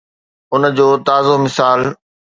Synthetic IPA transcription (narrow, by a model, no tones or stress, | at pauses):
ʊnd͡ʑoːt̪aːzomɪsaːl